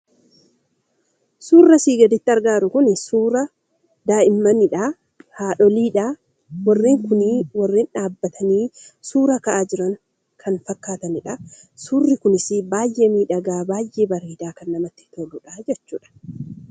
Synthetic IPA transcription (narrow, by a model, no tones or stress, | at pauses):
suːrːɐsiːɡɐd̪ɪt̪ːɪɐɾɡaːɾʊkʊnsuːɾɐ | d̪aːʔɪmːɐnɪᶑaː | haːᶑɔliːᶑaː | wɐrːeːŋkʊniwɐrːeːnᶑaːbːɐt̪ʰɐniːsuːɾɐkɐʔaːd͡ʒɪɾɐŋ | kʰɐnfɐkːaːt̪ɐnɪᶑɐ | suːrːɪkʊnɪsɪbaːjʔe̞ːmiːᶑɐɡaːbaːjʔe̞ːbɐɾiːd̪aːkɐnːɐmɐt̪ːɪ̥t̪ʰolʊᶑad͡ʒɛt͡ʃːuːᶑɐ̥